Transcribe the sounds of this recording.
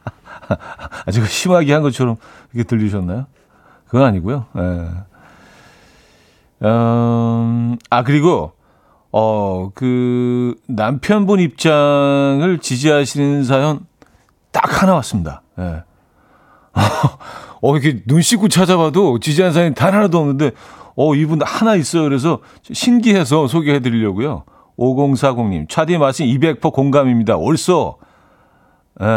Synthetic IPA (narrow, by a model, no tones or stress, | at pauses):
ad͡ʑʌɡɕʰimaɡiɦanɡʌt͡ɕʰʌɾʌmkɯɾʌkʰetɯʎːiɕ̬ʰʌnːajo | kɯʌaɲiɡujoje | ʌ | ak̬ɯɾiɡo | ʌkɯ | nampʰjʌnbunip̚t͡ɕ͈aŋɯɭt͡ɕid͡ʑiɦaɕʰinɯns̬ʰajʌn | ta̰kʰhanawas͈ɯmɲida̰ | jḛ | ʌ | ʌiɾkʰenunɕʰik͈ut͡ɕʰad͡ʑaβadot͡ɕid͡ʑiɦaɯns̬ʰajomtanɦaɾadoʌmnɯnde̞ʌibunhanais͈ʌjokɯɾe̞s̬ʰʌ | ɕʰinɡiɦe̞s̬ʰʌsʰoɡeɦe̞dɯɾiʎːʌɡujo̰ | oɡoŋsʰaɡoŋɲḭmt͡ɕʰwadimas͈inibe̞k̚pʰʌkoŋɡamimɲida̰oɭs͈ʌ | e